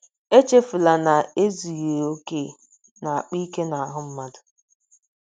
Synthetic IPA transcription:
e˦t͡ʃe˦fʊ˨la˨na˨e˦zi˨je˨o˦ke˦˨ | na˨a˨k͡pi˦ke˦na˨a˨ɦʊ˦m̩˦ma˦dʊ˨

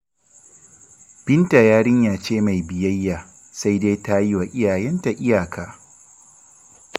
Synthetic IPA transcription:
b̥ɪ˦nta˨jaː˦ɽɪ˦ɲjaː˨t͡ʃeː˦ma˨jbɪ˨jɐ˦jːaː˨ | sa˦jdeː˦jta˦ji˦wa˨ʔʲɪ˦jaː˨jɛ˦nta˨ʔɪ˦jaː˨kʰa˨ʔ

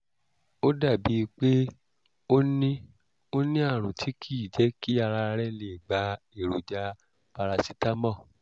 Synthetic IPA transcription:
o˦da˦˨bi˨˦˧k͡pe˦ | o˦nĩ˦ | o˦nĩ˦a˦˨ɾ̃ũ˨tʰi˨˦kʰi˦˨d͡ʒɛ˨˦ki˦a˧ɾa˧ɾɛ˦˨le˨ɡ͡ba˨˦ | e˦˨ɾu˨d͡ʒa˧ | pa˧ɾa˧si˦ta˦mɔ̃˦˨

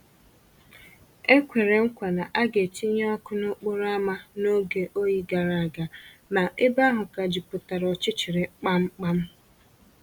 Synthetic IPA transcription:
e˦kʷe˨ɾe˨ŋ̩˦kʷa˨na˨ʔa˦ɡe˨ti˦ɲe˦ɔ˦kʊ˦nʊ˦k͡pʊ˦ɾa˦ma˦no˦ɡe˨ʔo˦ji˦ɡa˨ɾa˨a˨ɡa˨na˨ʔɪ˦ba˦ɦʊ˨ka˨d͡ʒi˨pʊ˨ta˨ɾɔ˨t͡ʃɪ˦t͡ʃɪ˨ɾɪ˨k͡pa˦ŋ͡m̩˦k͡pa˦m̩˦

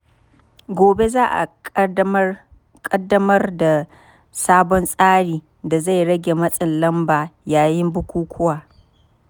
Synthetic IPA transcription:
ɡʷoː˨be˦zaː˦ʔa̰˨ | kʼɐ˦dːɐ˦mɐ˦rda˨ | saː˦bɔ˦nsʼaː˦ɽiː˨ | da˨za˦˨jɽɐ˦ɡʲe˨mɐ˦sʼɪ˨nlɐ˦mbaː˨jaː˨jɪ˦mbʊ˦kʷuː˦kʷʰʊ˦waː˨

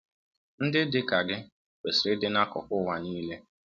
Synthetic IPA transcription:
n̩˦dɪ˦dɪ˦ka˨ɡɪ˦ | k͡pe˨sɾɪ˦dɪ˦na˦kɔ̰˨kʊ˦wa˨niː˦le˦

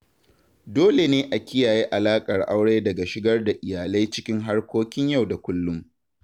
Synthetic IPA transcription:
doː˦le˨neː˦ʔa˨kʲɪ˦jaː˨ji˦ʔa˨laː˦kʼɐ˨rʔa˦wɽeː˦dɐ˨ɡa˨ʃɪ˦ɡɐ˦rda˨ʔɪ˨jaː˨la˦jt͡ʃɪ˦kʲɪ˦ŋɦa˦rkʷoː˦kʲɪ˦ɲja˦˨wda˨kʷʊ˦lːʊ˦m

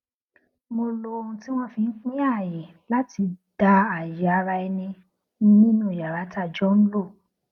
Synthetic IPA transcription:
mo˧lo˧ũ˧ti˦w̃ɔ̃˦fĩ˧˦k͡pĩ˦a˦˨je˨ | la˦ti˧d̥a˧a˨ja˨a˨˧˦ɾa˧ɛ˧nĩ˧ | nĩ˦nĩ˦nũ˦˨ja˨ɾa˨˦ta˦˨d͡ʒɔ˦n̩˦lo˦˨

